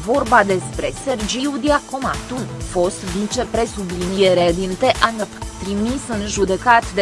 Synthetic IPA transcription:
vo̞rbad̪e̞spɾe̞se̞rd͡ʒiud̪iakomat̪umfo̞st̪vit͡ʃe̞pɾe̞sublinijeɾed̪int̪eʔant̪ɾimisɨnʒud̪e̞kat̪d̪e

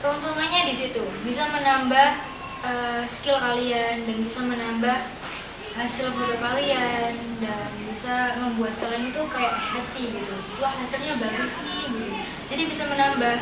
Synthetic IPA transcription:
kəunt̪uŋanɲadisit̪ubisamənambah | əskɪlkaliandanbisamənambah | ɦasɪlbadapaliandanbisaməmbuat̪̚kaɾanit̪ukalaʔahapiɡit̪uɡit̪ulahɦasɪlɲabaɡʊsniɡit̪ua | d͡ʒadibisamənambah

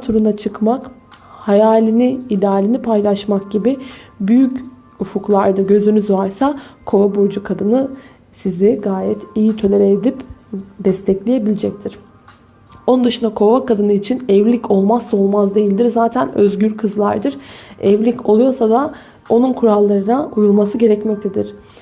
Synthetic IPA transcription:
t̪ʰuɾunat͡ʃʰɯkmak | hajaːlʲiniːd̪aːlʲinipʰajlˠaʃmakɟibibyjyc | ufuklˠaɾd̪ɯɟø̞zynyzvaɾsakʰo̞vabo̞d͡ʒukʰad̪ɯnɯ | siziɡaːjɛt̪ʰijit̪ʰø̞lʲeɾeːd̪ipd̪ɛst̪ʰɛclʲijebilʲid͡ʒɛc̚t̪ʰiɾ̥ | onund̪ɯʃɯnd̪akʰo̞vakad̪ɯnɯit͡ʃʰinɛvlʲico̞lˠmast̪o̞lˠmazd̪e̞jilʲd̪iɾzaːt̪ʰænøzɟyɾkʰɯzlˠa̰ɾd̪ɯɾɛvlʲicʰo̞lˠujo̞ɾsad̪a | o̞nunkʰuɾalˠːaɾɯnaujulˠmasɯɟe̞ɾɛcmɛc̚t̪ʰe̞d̪iɾ̥

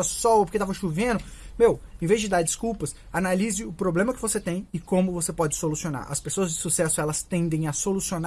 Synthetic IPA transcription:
ɐsɔwp̬oɾket̪avɐʃuvẽd̪ʊmewẽvezd͡ʒɪd̪aɾd͡ʒɪskuwpɐs | analizɪʊpɾoblẽmɐkɪvoset̪ẽj̃ɪkõmʊvosepɔd͡ʒɪsolusiona̰ɾʔɐ̰spesoɐzd͡ʒɪsusɛsʊɛlɐst̪ẽnd̪ẽj̃ɐsolusiona

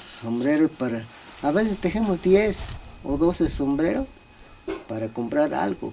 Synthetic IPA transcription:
sombɾeɾospaɾaː | βesest̪exemosd̪jeso̰ðosesombɾeɾos | paɾakompɾaɾa̰lɡo̰

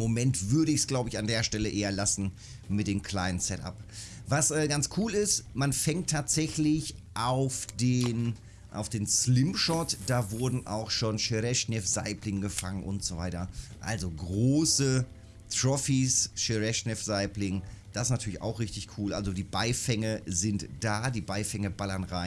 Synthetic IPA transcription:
momɛntv̥ʏɐɾəɪçsɡ̥laʊbəɪçandeːɐʃtɛləʔeːɐlasn̩ | mɪt̚d̥eːmkʰl̥aɪnənsɛtʔa̰p | vasʔɛːɡant͡skʰuːlɪstmanfɛŋtʰːaːtz̥ɛçlɪçʔaʊfd̥eːn | ʔa̰ʊfd̥eːnslɪmpʃɔtd̥aːvʊɐdn̩ʔa̰ʊxʃoːnʃeʁɛʃnɛfz̥a̰ɪplɪŋɡəfa̰ŋənʔʊ̰ntz̥ova̰ɪtɐʔa̰lzoɡʁoːsə | tʁ̥ɔfisʃeʁɛʃnɛfz̥aɪplɪŋd̥asɪstnatʰyɐlɪça̰ʊxʁɪçtɪçkʰuːlʔa̰lzodiːbaɪfɛŋəzɪntd̥aːdiːbaɪfɛŋəbalɐnʁaɪn

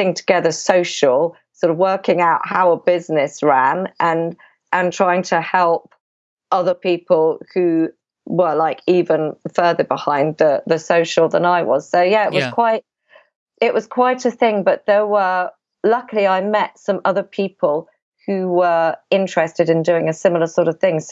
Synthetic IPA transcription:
ɪ̃ŋtʰəɡ̥ɛðəsoʊʃəl̩ˠ | sɔɾəvwɜˑkɪ̃ŋaʊʔhaʊəbɪznɪsɹæ̃nʔə̃n | ʔə̃ntʰɹ̥aɪɪ̃ŋtʰəhɛlˠp̚ | ʔʌðəpʰiˑpəlˠhʉ | wəlaɪkiːvə̃nfɜːðəbɪhãɪ̃nðəðəsəʊʃlˠðə̃naɪwɒ̰z̥soʊjæɪʔwɒz̥kʰw̥aɪt̚ | ɪʔwɒz̥kʰw̥aɪtəθɪ̃ŋbʌʔ̪̚ðəwə | lʌkəlˠiaɪmɛtsʌ̃mʌðə˞pʰiˑpʰəlˠ | hʉwəɪ̃nt͡ʃɹ̥ɛstɨɾɨ̃ndʉːɪ̃ŋəsɪ̃məl̩ˠəsɔˑɾəv̥θɪ̃ŋ

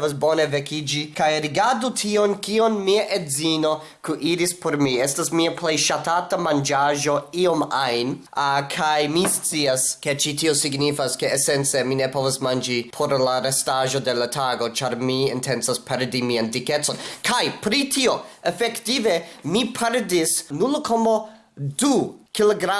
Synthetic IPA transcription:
asbo̞nevekid͡ʒikajɾiɡaɾdutʰionkionmiaʔedzino̞ | kuʔiɾispʰoɾmiestasmiaplejʃatatamand͡ʒaʒo̞io̞majnkʰajmist͡siaske̞t͡ʃitio̞siɡnifaske̞ːsent͡semine̞po̞vasmand͡ʒipʰoɾlaɾestaʒo̞de̞latʰaɡo̞t͡ʃaɾmiintʰent͡saspʰeɾdimiandiket͡so̞nkʰajpɾitʰio̞efektivemipʰeɾdisnulkʰomo | dukiloɡɾa

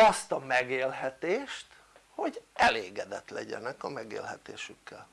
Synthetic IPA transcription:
ɒst̪ɒmɛɡeːlɦɛt̪eːʃt̪ | ho̞ɟɛleːɡɛd̪ɛt̪lɛɟɛ̰nɛkɒmɛɡḛːlɦɛt̪eːʃykːɛl

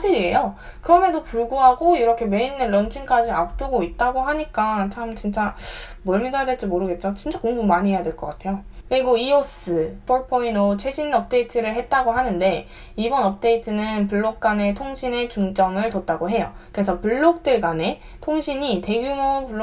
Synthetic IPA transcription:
sʰaɕʰiɾie̞jo | kɯɾʌmendopuɭɡuɦaɡoiɾʌkʰe̞me̞inːɯnɾʌnt͡ɕʰink͈ad͡ʑiap̚t͈uɡoit̚t͈aɡoɦaɲik͈at͡ɕʰamt͡ɕint͡ɕ͈amʌɭmidajadweɭt͡ɕ͈imoɾɯɡe̞t̚t͡ɕ͈ot͡ɕint͡ɕ͈akoŋbumaɲiɦejadweɭk͈ʌk͈atʰe̞jokɯɾiɡoios͈ɯpoɭpʰoinot͡ɕʰe̞ɕʰinʌp̚t͈e̞itʰɯɾɯɭɦe̞t̚t͈aɡoɦanɯnde̞ | ibʌnʌp̚t͈e̞itʰɯnɯnpuɭːok̚k͈ane̞tʰoŋɕʰine̞t͡ɕuŋd͡ʑʌmɯɭtot̚t͈aɡoɦe̞jo̰kɾe̞sʰʌpuɭːok̚t͈ɯɭɡane̞ | tʰoŋɕʰiɲite̞ɡjumopuɭː

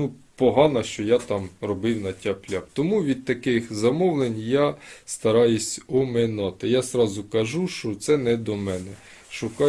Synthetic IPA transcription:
nupɔɦɑnɐʃt͡ʃɔjat̪ɑmrɔbɪwnɐtʲaplʲapt̪ɔmuʋʲid̪̚t̪ɐkɪxzɐmɔwlˠenʲjast̪ɐɾɑjʊsʲɔmɪnɑt̪ɪjazɾɑzʊkɐʒuʃt͡ʃɔt̪sɛnɛd̪ɔmɛnɛ | ʃʊkɑ

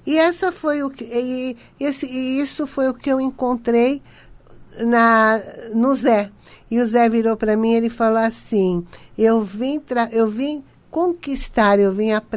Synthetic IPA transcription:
ɪɛsɐfojʊkɪ | esɪisʊfojʊkɪewẽŋkõnt̪ɾej | nɐ | nʊzɛ | ɪʊzɛviɾowpɾɐmĩelɪfalowasĩewvĩt̪ɾaʔewvĩ | kõkist̪aɾewvĩɐp

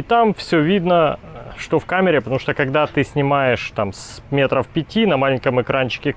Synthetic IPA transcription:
ɪt̪amfsʲɵvʲid̪nə | ʂt̪ofkamʲɪɾʲɪpət̪ɐmuʂt̪okɐɡd̪at̪ɨsʲnʲɪmajɪʂt̪ams | mʲe̞t̪ɾəfpʲɪtʲinɐmalʲɪnʲkəmɨkɾʔanʲt͡ɕɪ̥kʲɪ

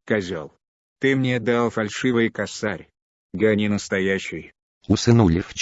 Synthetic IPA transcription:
kɐzʲolˠ | t̪ɨmnʲed̪alˠfɐlʲʂɨvɨjkɐsaɾʲ | ɡɐnʲinəst̪ɐjaɕːɪj | ʊsɨnulʲɪf

